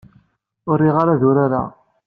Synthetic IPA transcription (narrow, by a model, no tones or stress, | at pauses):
ʊɾːiʁaɾaðʊɾaɾa̰